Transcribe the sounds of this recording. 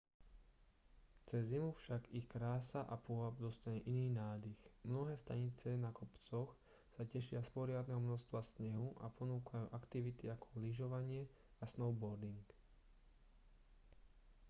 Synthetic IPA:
t͡sɛzːimufʃaɡixkɾaːsaʔapʊɔɦabd̪ɔst̪aɲɛʔiniːnaːd̪ixmnɔɦɛːst̪aɲit͡sɛnakɔpt͡sɔx | sacɛʃɪaspɔɾɪad̪nɛɦɔmnɔʃst̪ʋasɲɛɦuʔa̰pʰɔnuːkʰajuːʔakt̪iʋit̪iakʰɔ̥liʒɔʋaɲɪɛ | asnɔʊbɔɾd̪iŋk

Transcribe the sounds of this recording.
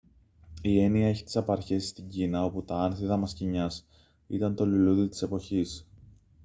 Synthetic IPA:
ie̞niɐe̞çi̥t̪i̥sɐpɐɾçe̞sst̪iɲɟinɐo̞put̪ɐɐnθiðɐmɐsciɲɐs | ḭt̪ɐnt̪o̞liluðit̪i̥se̞po̞çis

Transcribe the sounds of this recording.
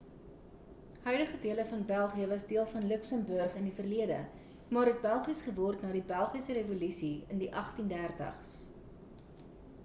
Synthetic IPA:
hœɥdəχədiələfɐnbælˠχiəvɐsdiəlˠfɐnləksəmbœrχəndifərliədə̰ | mɑːɾɦɛt̚bælˠχisχəvɔrtnɑːɾibælˠχisəɾevolysiəndiʔɐχtindærdɐ̰χs

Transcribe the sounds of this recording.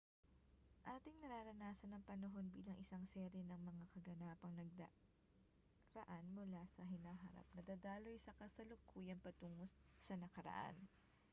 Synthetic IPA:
ʔaːt̪ɪŋnɐɾaːɾɐnaːsɐnɐŋpɐnɐɦo̞nbḭːlɐŋʔɪsaŋsɛɾɛnɐŋmɐŋakɐɡɐnaːpɐŋnɐɡ̚d̪ɐ | ɾɐʔanmʊlasɐɦɪnaːɦɐɾa̰p̚nɐd̪aːd̪aːlo̞jsɐkɐsɐlokuːjɐŋpɐt̪uːŋossɐnɐkɐɾɐ̰ʔa̰n

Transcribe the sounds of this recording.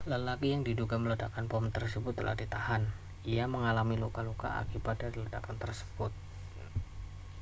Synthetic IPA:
ləlakijaŋdiduɡamələdakanpɔmnt̪ərsəbʊt̪ːəlʔa̰hdit̪ahan | iaməŋalamilukaluka̰ʔa̰kibat̪̚daɾlədakant̪ərsə̥b̥ʊt̪̚

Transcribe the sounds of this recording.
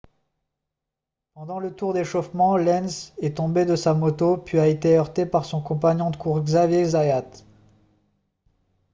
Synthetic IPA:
pɑ̃d̪ɑ̃lət̪uʁd̪eʃɔfmɑ̃lɛnsɛt̪ɔ̃bed̪əsamɔt̪opɥiaet̪eœʁt̪epaʁsɔ̃kɔ̃paɲɔ̃d̪əkʰuʁɡzavjezajat̪

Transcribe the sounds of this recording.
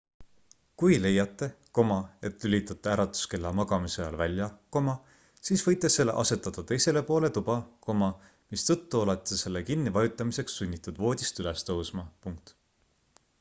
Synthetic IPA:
kujle̞jːɑt̪ːˑe̞ko̞mɑe̞t̪ːˑylʲit̪ːˑɑt̪ːˑeæɾɑt̪ːˑu̥ske̞lːɑmɑɡ̥ɑmisɑjɑ̰lvælʲjɑko̞mɑ | siːsvɤjt̪ːˑesːe̞lːeʔɑ̰se̞t̪ːˑɑd̪̥ɑt̪e̞jse̞le̞po̞ːle̞t̪ub̥ɑko̞mɑ | mist̪ɤ̞t̪ːuolet̪ˑːise̞lːe̞kinːivɑjut̪ˑːɑmise̞ksːunʲːit̪ːˑud̪vo̞ːd̪̥ʲist̪yle̞st̪ɤwsmɑpuŋk̚t̪

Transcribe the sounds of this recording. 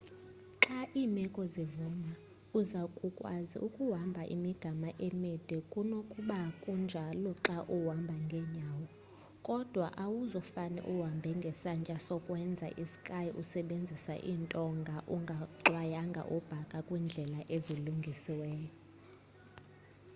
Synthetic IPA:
ǁaʔiːmɛkʼɔzivuma | uzakʼukʼwazḭʔukʼuwambʱaʔḭmiɡ̥ʱamaʔemɛd̥ʱɛkʼunokʼuɓakʼund͡ʒʱalɔǁaʔuwambʱaŋɡʱɛɲaːwɔ | kʼɔd̥ʱwaʔawuzɔfanɛ̰ʔuwambʱɛŋɡʱɛsant͡ʃʼasɔkʼwɛnd͡zʱa̰ʔisi̥kʼajiʔusɛɓend͡zʱisa̰ʔiːntʼɔŋɡʱaʔuŋɡʱaǁwajaŋɡʱa̰ʔub̥ʱakʼakʼwind͡ɮʱɛlaʔeziluŋɡʱisiwɛːjɔ

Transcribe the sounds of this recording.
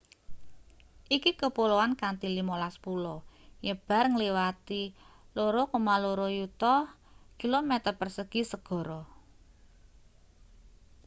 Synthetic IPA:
ʔikikəpolowankant̪ilimolaspulɔjəb̥a̤rŋəliwat̪iloɾokumaloɾojut̪ɔh | kilomɛt̪ərpərsəɡ̥isəɡ̥ɔ̤ɾɔ

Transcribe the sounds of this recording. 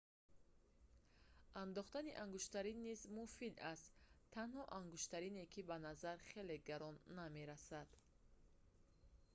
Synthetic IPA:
and̪ɔχt̪aniʔaŋɡuʃt̪aɾinːizmufid̪ast̪ʰːanhɔʔaŋɡuʃt̪aɾinekʰibanazaɾχe̞le̞ɡaɾɔnːame̞ɾasad̪̥

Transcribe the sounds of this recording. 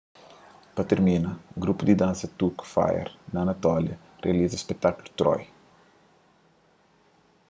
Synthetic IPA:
pɐt̪eɾminɐɡɾupud̪id̪ãnsɐt̪ukfa̰jḛɾnɐːnɐt̪ɔljɐ | reɐlizɐspek̚t̪akulut̪ɾɔ̰j

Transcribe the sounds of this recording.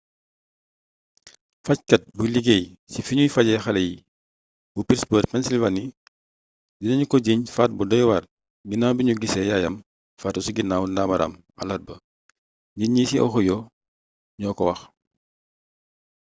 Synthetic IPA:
fɐckɐt̚buliɡeːj | sifiɲujfɐɟɛxɐlɛji | bupiɾspəːɾpɛnsilvani | dinɐɲukɔɟiɲfaːt̚budɔjwar | ɡinawbiɲuɡisɛjajɐm | faːtusiɡinaːwndaːmɐɾʔa̰m | ɐ̰lɐt̚bɐ | diɲisiʔɔ̰xɔjɔ | ɲɔːkɔwɐx

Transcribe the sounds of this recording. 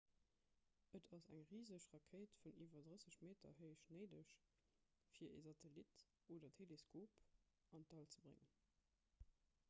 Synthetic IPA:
ʔətʰɑsæ̰ŋʁiːzəʃʁɑkʰeːtfuniːvɐdʁəsəɕmeːtɐ̰ɦəɪʃneɪdəʃ | fiːɐʔḛːzɑtʰelit | ʔoːdɐtʰeleskʰoːp | ɑntɑlt͡səbʁḛŋən

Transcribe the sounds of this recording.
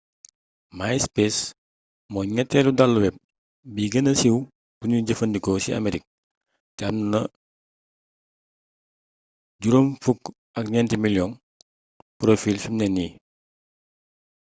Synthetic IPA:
majspes | mɔɲɛtːɛludalːuwɛp̚ | biɡɐnɐsiw | b̥uɲuɟəfɐndikɔsiɐ̰meɾik̚ | tɛɐmnnɐ | ɟuɾumfuk | ɐk̚ɲɛntimiljɔn | pɾofilfimnɛnːi

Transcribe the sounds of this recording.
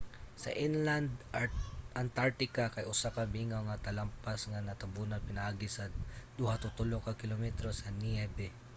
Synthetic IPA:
sɐ̰ʔinland̪ | ʔɐnt̪aɹt̪ɪkakɐjʔʊsakɐmiːŋoŋɐt̪ɐlampasŋanɐt̪ɐbunɐpɪnɐʔaːɡɪsɐd̪uhat̪ʊt̪ʊlokɐkɪlomɛt̪ɾosɐniɛbɛ

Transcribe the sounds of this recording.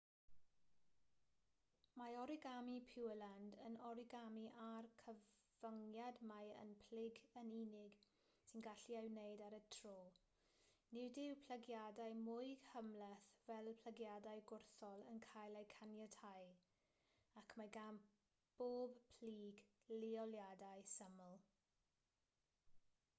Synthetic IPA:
maɔɾɪɡamipʰɪwəlandənɔɾɪɡamiʔarkʰəv̥əŋjadmajə̰npʰl̥ɪɡəninɪɡ | sinɡaɬiawnejdaɾətʰroː | nɪwdɪwpʰləɡjadajmʊɨɡ̥həmlɛθvɛlpʰləɡjadajɡʊrθɔlˠənkʰajlˠejkʰanjatʰaj | akʰmaɡam | b̥oːbpʰl̥iːɡ | liɔljadajsəməlˠ

